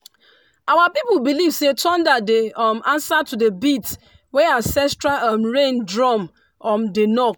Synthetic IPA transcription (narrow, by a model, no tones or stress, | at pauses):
awapipubilivsetʰɔ̃ndadeɔmãnsatudebit | weãsɛstɹaʔɔmɹẽndɹɔm | ɔmdenɔk